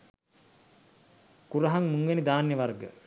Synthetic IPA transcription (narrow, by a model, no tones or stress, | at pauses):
kuɾɐɦaŋmuŋʋenid̪aːnjəʋarɡə̰